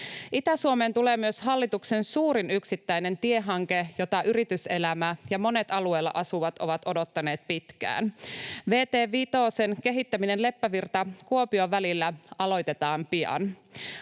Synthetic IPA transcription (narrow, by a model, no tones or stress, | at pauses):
ʔit̪æsuomeːnt̪uleːmyøsɦɑlːit̪uksensuːɾinyksit̪ːæjne̞nt̪ieɦɑŋke̞jot̪ɑʔyɾit̪yse̞læmæjɑmo̞ne̞t̪ɑlue̞ːlːɑ̰ʔɑsuʋɑt̪o̞ʋɑt̪o̞do̞t̪ːɑne̞ːt̪̚pit̪kæ̰ːnʋe̞ːt̪eːʋit̪o̞ːsenke̞ɦit̪ːæmine̞nle̞pːæʋirt̪ɑkuopioʋælilːæɑlo̞jt̪e̞t̪ɑːmpiɑ̰n